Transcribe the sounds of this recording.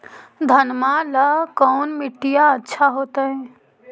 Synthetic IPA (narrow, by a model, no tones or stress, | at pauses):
d̪ʱənmaləkɔːnmɪʈːijaətːʃʰaɦoːt̪əɛ̃